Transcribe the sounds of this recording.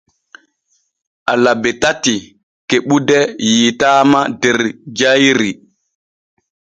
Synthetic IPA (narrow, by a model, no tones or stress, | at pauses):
ʔalabɛtati | keɓudɛjitaːmadɛɾd͡ʒajɾi